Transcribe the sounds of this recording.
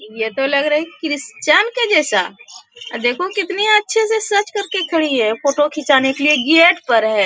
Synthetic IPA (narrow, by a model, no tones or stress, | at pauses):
jet̪olɐɡɾəɦɛkikɾɪst͡ʃanked͡ʒɛːsa̰ | d̪eːkʰokɪt̪niɐtːʃʰesesɐt͡ʃkɐɾkekʰɐɽiɦɛfoːʈokʰɪt͡ʃaːnekelieɡieːʈpɐɾɦɛː